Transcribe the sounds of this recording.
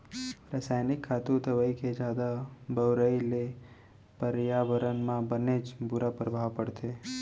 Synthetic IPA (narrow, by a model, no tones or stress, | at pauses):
ɾasajnɪkʰːaːt̪ut̪əʋəikʰed͡ʒaːd̪abəʋɾəile | pəɾjaʋəɾənmãbəned͡ʒbʊɾapɾəbʱaʋpəɽt̪ʰe